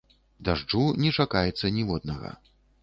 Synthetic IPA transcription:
d̪aʐd͡ʐunʲɛt͡ʂakajɛt̪sːɐnʲivɔd̪nɐɣɐ̰

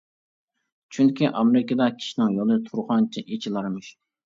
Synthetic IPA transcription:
t͡ʃʰyŋkʲʰiʔɑmeɾɪkɑd̪ɑkʲʰi̥ʃinɪŋjolˠɨt̪ʰuɾχɑnt͡ʃʰiʔet͡ʃʰilˠɑɾmɨʃ

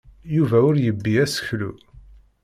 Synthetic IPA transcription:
juvæʊɾjəbːiæsə̥çlṵ

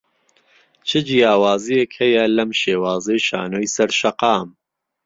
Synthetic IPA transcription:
t͡ʃʰɨd͡ʒijaːwaːzijekhɐjɐlɐmʃeːwaːzɐjʃa̰ːnoːjsɐɾʃɐqɑːm

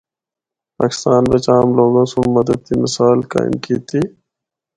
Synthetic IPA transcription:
pa̰ːkɪ̥st̪aːnbet͡ʃaːmloːɡãːsõmɐd̪əd̪̚kimɪsaːlka̰ːɪ̰mkiːt̪i

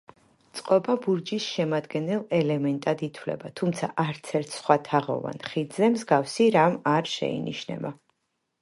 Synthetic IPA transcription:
t̪sʼqʼɔbabuɾd͡ʒisʃɛmad̪ɡɛnɛlˠɛlɛmɛnt̪ʼad̪it̪ʰwlɛ̰bat̪ʰumt̪sʰaʔaɾt̪sʰɛɾt̪ʰsχwat̪ʰaʁɔ̰va̰nχid̪zɛmzɡafsiɾamaɾʃɛ̰ḭnḭʃnɛ̰ba

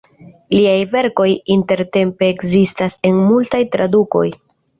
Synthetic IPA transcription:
liajve̞ɾko̞jinte̞ɾte̞mpe̞ːkzistase̞nmultajtɾaduko̞̰j

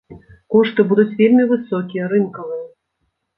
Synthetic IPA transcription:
kɔʂt̪ɨbud̪ut͡sʲvʲelʲmʲivɨsɔkʲijɐɾɨnkɐvɨjɐ

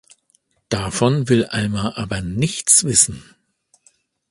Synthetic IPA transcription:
d̥afɔnvɪlʔalmaʔaːbɐnɪçt͡sv̥ɪsn̩

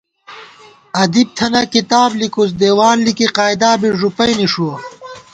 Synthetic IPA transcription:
ɐd̪ib̚t̪ʰɐnɐkit̪aːblikus̬d̪eːwaːnlikiqaːjd̪aːbiʐupɐjniʂuwɐ

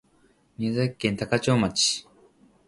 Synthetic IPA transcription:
niazakːẽnt̪akat͡ɕoːmat͡ɕi̥

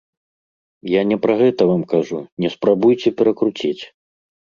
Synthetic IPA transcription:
janʲɛpɾɐɣɛt̪ɐvamkaʐunʲɛspɾabujt͡sʲɛpʲɛɾɐkɾut͡sʲit͡sʲ

